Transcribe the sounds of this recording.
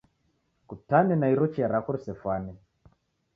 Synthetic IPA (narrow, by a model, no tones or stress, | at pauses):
kutanɛnaiɾɔt͡ʃiaɾakuɾsɛfwanɛ